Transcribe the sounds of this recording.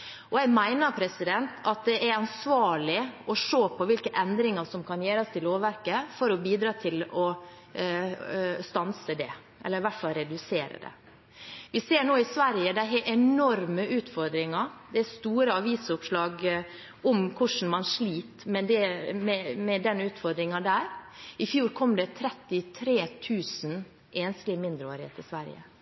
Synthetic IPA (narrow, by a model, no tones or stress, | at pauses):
ɔjæmæɪnəɾpʰɾɛsɪd̪ɛnt̪ʰɑt̪̚d̪ɛʔæɾɑnsʋɑːɭɪɔʂoːpʰɔʋɪlkəʔɛnd̪ɾɪŋəʂɔmkʰɑnjeːɾɑst̪ʰɪloːʋʋæɾkəfɔɾɔbiːd̪ɾɑːt̪ʰɪlɔ | st̪ɑnsəd̪ɛ̰ | ʔɛ̰lːəɾʋæʈfɑlɾɛd̪ʉseːɾə̰d̪ɛ̰ | ʋɪseːɳoːɪsʋæɾjəd̪æɪɦɛʔɛnɔɾməʔʉːt̪fɔɾd̪ɾɪŋɑd̪ɛæst̪uːɾəɑʋiːsʊpʂlɑːɡ | ʔɔmkʰʊʂn̩mɑnʂɭiːt̪mɛd̪ɛmɛmɛd̪ɛnːʉːt̪fɔɾd̪ɾɪŋɑd̪æːɾɪfjuːɾkʰɔmːd̪ɛt̪ʰɾɛt̪ːɪt̪ʰɾeːt̪ʰʉːsn | ʔeːnst̪lɪmɪnd̪ɾəoːɾɪhḛːt̪ɪsʋæɾjə̰